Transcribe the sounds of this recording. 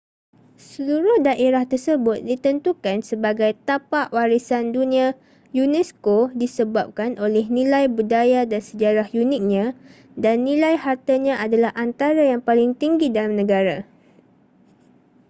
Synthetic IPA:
səluɾʊhdaʔeɾaht̪ərsəbʊt̪̚dit̪ənt̪ukansəbaɡajt̪apaʔwaɾisandunĩa | junɛskodisəbap̚kanʔolɛhnĩlajbudajadansəd͡ʒaɾahjunɪk̚ɲã | danːĩlajhart̪aɲãʔadalahʔant̪aɾajaŋpalɪŋt̪iŋɡidalamnə̃ɡaɾa

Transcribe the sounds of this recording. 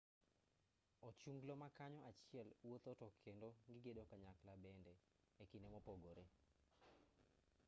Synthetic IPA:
ɔt͡ʃuŋɡlomakaɲɔʔat͡ʃɪɛlwot̪otɔkʰendoŋɡɪɡedokaɲaklabɛndɛ | ekɪnɛmɔpoɡoɾe

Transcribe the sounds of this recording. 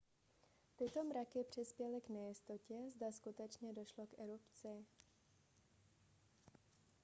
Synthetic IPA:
t̪ɪt̪o̞mɾakɪpr̝̥ɪspjɛlɪɡnɛjɪst̪o̞cɛzdaskut̪ɛt͡ʃɲɛdo̞ʃlo̞kʔɛɾupt͡sɪ

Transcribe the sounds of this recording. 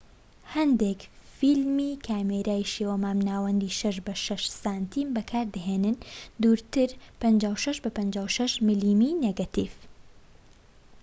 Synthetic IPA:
hɐnd̪ekfilmiːkʰaːmeɾaːiʃewɐmaːmnaːwɐnd̪iːʃɐʃ̬bɐʃɐʃsaːnt̪ʰiːmbɐkʰaːɾd̪ɐɦeːnɨnd̪uːɾt̪ɨɾpɐnd͡ʒaːwʃɐʃbɐpɐnd͡ʒaːwʃɐʃmɨliːmineɡat̪ḭf

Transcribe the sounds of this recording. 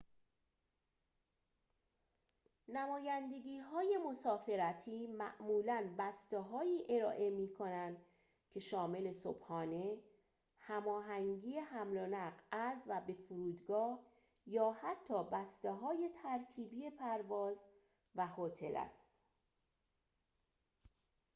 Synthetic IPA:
næmɒːjænd̪e̞ɡiːɦɒːje̞mo̞sɒːfe̞ɾæt̪ʰiːmæ̰ʔmuːlænbæst̪eɦɒːiːʔe̞ɾɒːʔe̞miːkʰo̞nænd̪̥ | cʰe̞ʃɒːme̞le̞so̰b̥hɒːne̞ | hæmɒːɦæŋɟiːe̞hæmlonæɢæzvæbe̞fuɾuːd̪ɡɒːh | jɒːhæt̪ʰːɒːbæst̪eɦɒːje̞t̪ʰæɾcʰiːbiːje̞pʰæɾvɒːz | væhot̪ʰe̞læ̰st̪

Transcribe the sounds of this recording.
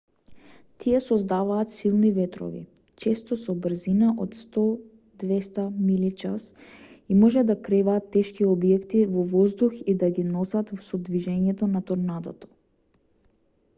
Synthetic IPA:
t̪ʰiɛsɔzd̪avaːt̪silˠnivɛt̪ɾɔ̰vḭt͡ʃɛst̪ɔsɔbr̩zinaʔot̪st̪ɔ | d̪vɛst̪amilit͡ʃa̰simɔʒɛd̪akɾɛvaːt̪ːɛʃkiɔbjɛkt̪ivɔvɔzd̪uxid̪aɡinɔsat̪sɔd̪viʒɛɲɛt̪ɔnat̪ɔɾnad̪ɔ̰t̪ɔ̥

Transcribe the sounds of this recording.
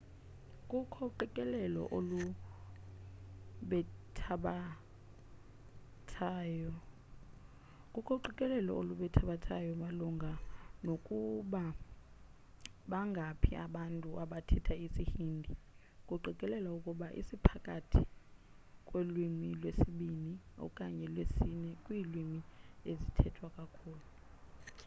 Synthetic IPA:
kʼukʰɔǃɛkʼɛlɛlɔ̰ʔolu | ɓɛtʰaɓa | tʰajɔ | kʼukʰɔǃikʼɛlɛlɔ̰oluɓɛtʰaɓatʰajɔmaluŋɡʱanokʼuɓa | ɓaŋɡʱapʰiʔaɓantʼuʔaɓatʰɛtʰaisihiːndʱi | kʼuǃikʼɛlɛlaukʼuɓaʔḭsipʰakʼatʰi | kʼwelwimilwesiɓiniɔ̰kʼaɲɛlwesinɛkʼwiːlwimiezitʰɛtʰwakʼakʰuːlu

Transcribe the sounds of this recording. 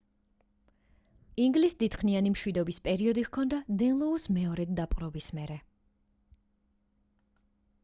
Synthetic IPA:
iŋɡlisd̪it̪χnianimʃwid̪ɔbispʼɛɾiɔd̪iʁkʰɔnd̪ad̪ɛnlˠɔusmɛɔɾɛd̪̚d̪apʼqʼɾɔbismɛɾɛ

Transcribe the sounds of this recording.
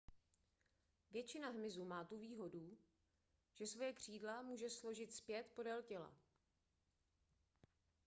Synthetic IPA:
vjɛt͡ʃɪnaɦmɪzumaːt̪uviːɦo̞du | ʒ̥ɛsvo̞jɛkr̝̥iːdlamuːʒɛslo̞ʒɪt̪spjɛt̪po̞dɛlcɛla̰

